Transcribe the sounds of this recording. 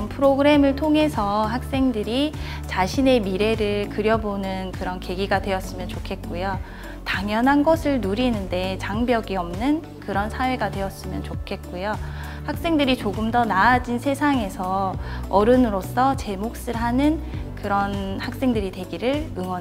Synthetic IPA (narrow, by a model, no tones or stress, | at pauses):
npʰɯɾoɡɯɾe̞mɯɭtʰoŋɦe̞sʰʌɦak̚s͈e̞ŋdɯɾi | t͡ɕaɕʰine̞miɾe̞ɾɯɭkɯɾjʌbonɯnkɯɾʌnke̞ɡiɡadwe̞ʌs͈ɯmjʌnt͡ɕokʰe̞t̚k͈ojo | taŋjʌnɦanɡʌsʰɯɭnuɾinɯnde̞t͡ɕaŋbjʌɡiʌmnɯn | kɯɾʌnsʰawe̞ɡadwe̞ʌs͈ɯmjʌnt͡ɕokʰe̞t̚k͈ujo | hak̚s͈e̞ŋdɯɾit͡ɕoɡɯmdʌnaːd͡ʑinsʰe̞sʰaŋe̞sʰʌʌɾɯnɯɾos͈ʰʌt͡ɕe̞mok̚s͈ɯɭɦanɯnkɯɾʌnhak̚s͈e̞ŋdɯɾidwe̞ɡiɾɯɭɯŋwʌn